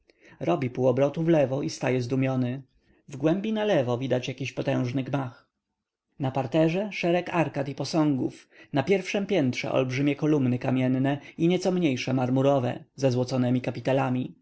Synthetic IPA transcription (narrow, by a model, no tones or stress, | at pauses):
ɾɔbʲipuwɔbɾɔt̪uvlɛvɔʔist̪ajɛzd̪umʲjɔnɘ | vɡwɛmbʲinalɛvɔvʲid̪at͡ɕjakʲiɕpɔt̪ɛ̃w̃ʐnɘɡmax | napaɾt̪ɛʐɛʂɛɾɛkaɾkat̪ipɔsɔ̃ŋɡufnapʲjɛɾfʂɛmpʲjɛnt̪ʂɛ̰ʔɔ̰lbʐɘmʲjɛkɔlumnɘkamʲjɛnːɛiɲɛt̪sɔmɲejʂɛmaɾmuɾɔvɛ̰zɛzwɔt̪sɔnɛmʲikapʲit̪alamʲi